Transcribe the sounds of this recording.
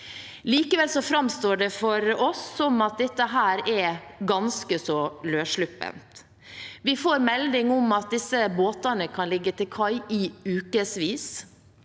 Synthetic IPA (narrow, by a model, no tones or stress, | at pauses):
liːkəʋɛlsɔfɾɑmst̪oːɖɛfɔɾɔsːɔmɑt̪̚d̪ɛt̪ːəɦæːɾɛɡɑnskəsɔløːʂɭʉpːə̰nt̪ | ʋɪfoːɾmɛld̪ɪŋɔmɑt̪̚d̪ɪsːəboːt̪ɑnəkʰɑnlɪɡːət̪ɪlkʰɑɪɪʉːkəsʋiːs